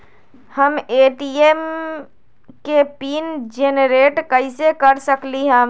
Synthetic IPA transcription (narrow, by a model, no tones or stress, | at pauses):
həmeːʈiem | kepiːnd͡ʒenɾeːʈkəɪsekəɾsəkliɦə̃